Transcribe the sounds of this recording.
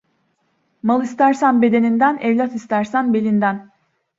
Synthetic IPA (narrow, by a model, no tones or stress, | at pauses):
malˠist̪æɾsænbe̞d̪e̞nind̪ænɛvlʲat̪ist̪ʰæɾsænbe̞lʲind̪æn